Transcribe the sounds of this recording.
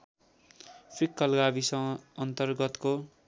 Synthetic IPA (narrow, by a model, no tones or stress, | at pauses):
pʰikːʌlɡabisʌ̃ʌnt̪ʌrɡʌt̪ko